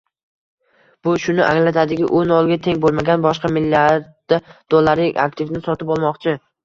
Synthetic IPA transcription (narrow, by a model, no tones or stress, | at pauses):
b̥ʊʃʊnɪʔaŋlat̪ʰad̪ɪɡʲɪ̰ʔonɒlˠɡʲat̪ʰe̞ŋbolˠmaɡʲanbɒʃqɑmɪlːaɾd̪̥ad̪̥olˠːaɾɪa̰k̚t̪ʰɪvnɪsɒt̪ɪpɒlˠmɒqt͡ʃʰɪ